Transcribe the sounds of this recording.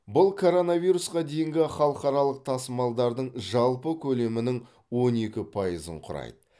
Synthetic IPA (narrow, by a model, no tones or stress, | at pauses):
bʊlˠkʰo̞ɾo̞navijɾusqɑd̪e̞jɪŋɡʲɪχɑlˠəqɑɾɑlˠəq̚t̪ʰɑsəmɑlˠd̪ɑɾd̪əɴʒɑlˠpəkʲʰɵle̞mɪnɪŋ | wo̞ne̞kʲɪpʰɑjəzə̰ɴqʰʊɾɑ̰jd̪ə